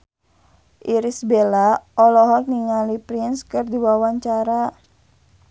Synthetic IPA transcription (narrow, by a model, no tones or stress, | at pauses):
ʔiɾisbelaɔlɔɦɔr̚niŋalipɾinskɨrdiwawaɲt͡ʃaɾa